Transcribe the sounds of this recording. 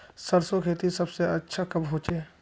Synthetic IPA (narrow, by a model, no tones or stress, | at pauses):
səɾsokʰeːt̪isɐbseɐtːʃʰakɐbɦoːt͡ʃeː